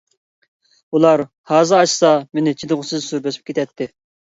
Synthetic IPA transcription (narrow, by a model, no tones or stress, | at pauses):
ulˠɑɾ | hɑːzɨɑʃsɑmenɪt͡ʃʰid̪ɨʁʊsɨzsuɾbesɪ̥p̚kʲʰet̪ʰɛt̪ʰːɪ